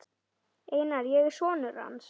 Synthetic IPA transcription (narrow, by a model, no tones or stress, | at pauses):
t̪ | ejnaɾjɛɣsɔːnʏra̰ms